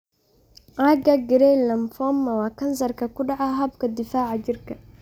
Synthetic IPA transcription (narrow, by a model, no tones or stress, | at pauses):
ʔaɡɐɡɪɾɛlɐmfɔːmɐwɑːkɐns̬ɐrkɐkʊɖɑʕaɦɐbkʰɐd̪ɪfaːʕad͡ʒɪrkʰɐ